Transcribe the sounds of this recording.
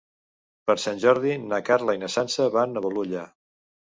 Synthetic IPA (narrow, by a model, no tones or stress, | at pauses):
pəɾsanʲʒɔɾðinakaɾləinəsansəβanəβəluʎa